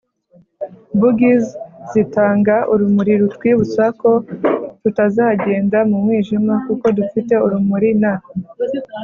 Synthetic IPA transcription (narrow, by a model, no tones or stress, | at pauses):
buɡizzitaːŋɡaʔuɾumuɾiɾutwiːβusako̞tutazahaɟe̞ːndamumŋiːʒimakuko̞dufite̞uɾumuɾina